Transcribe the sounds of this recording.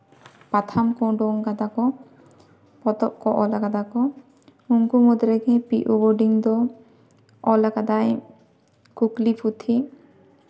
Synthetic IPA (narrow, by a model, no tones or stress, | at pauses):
pat̪ʰamkɔɖɔŋkad̪akɔ | pɔt̪ɔʔkɔʔɔlakad̪akɔ | uŋkumɔd̪ɾɛkɛpiʔubɔɾɖiŋd̪ɔː | lakad̪aj | kuklipʰut̪ʰi